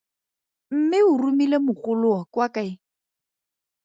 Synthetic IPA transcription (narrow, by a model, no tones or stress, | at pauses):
m̩mɪʊrumilemʊχʊlʊɔkwakaɪ